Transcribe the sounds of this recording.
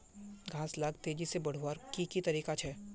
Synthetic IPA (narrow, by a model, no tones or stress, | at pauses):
ɡʱãːslaːɡt̪eːd͡ʒisebɐɽ̤waːɾkikit̪ɐɾiːkat͡ʃʰɛː